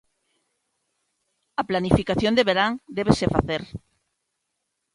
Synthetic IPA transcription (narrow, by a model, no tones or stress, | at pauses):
aplanifikaθjond̪eβeɾaŋd̪eβ̞esefa̰θeɾ